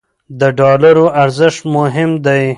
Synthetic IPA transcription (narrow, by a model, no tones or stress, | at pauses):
d̪əɖɑlaɾoʔaɾzɪʃʈmʊɦɪmd̪aj